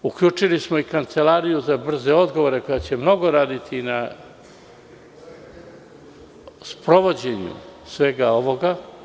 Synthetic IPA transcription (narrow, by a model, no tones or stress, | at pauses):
ukʎuːt͡ʂilismo̞ikant̪se̞laːɾijuzabr̩ze̞o̞d̪ɡo̞ʋo̞ɾe̞ko̞jat͡ɕe̞mno̞ɡo̞ɾaːd̪it̪ʰina | spɾo̞ʋo̞d͡ʑe̞ɲṵsʋe̞ɡao̞ʋo̞ɡa